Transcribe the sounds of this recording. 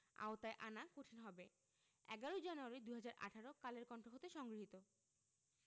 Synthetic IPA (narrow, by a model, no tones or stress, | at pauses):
a̰ot̪aeʔanakoʈʰinɦɔbe | ɛɡaɾod͡ʑanuaɾid̪uɦad͡ʑaɾʔa̰ʈʰaɾokaleɾkɔɳʈɾoɦot̪eʃɔŋɡɾiɦit̪o